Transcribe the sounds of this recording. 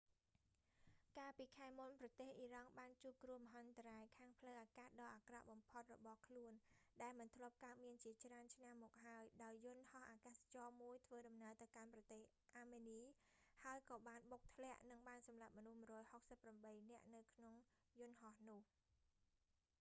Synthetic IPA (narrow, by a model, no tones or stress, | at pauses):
kaːlpiːkʰaɛmunprɑt̪eːhʔirɑŋɓaːnt͡ɕuːp̚kruəmɦant̪raːjkʰaːŋpʰləwʔaːkaːtɗɑːʔakra̰ʔɓɑmpʰot̪̚rɔɓɑhkʰluənɗaɛlmɨnt̪ʰlŏəp̚kaət̪̚miənt͡ɕiət͡ɕraənt͡ɕʰnamːɔːk̚ɦaəjɗaɔjːʊnhɑhʔaːkaːst͡ɕɑːmuəjt̪ʰʋəːɗɑmnaəlt̪ɨwkanprɑt̪eːh | ʔaːmeːniːhaəjkɑːɓaːnɓok̚t̪ʰlɛ̆əʔnɨŋɓaːnsɑmlap̚mɔnuhmuərɔːjhok̚səpːramɓəjnɛ̆əʔnɨwkʰnoŋ | jʊ̆nɦɑhnʊ̆əh